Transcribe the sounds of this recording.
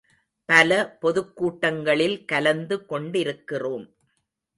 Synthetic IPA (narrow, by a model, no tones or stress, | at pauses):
pɐlɐpɔðɯkːuːʈːɐŋɡɐɭɪlkɐlɐnd̪ɯkɔɳɖɪɾɯkːɪroːm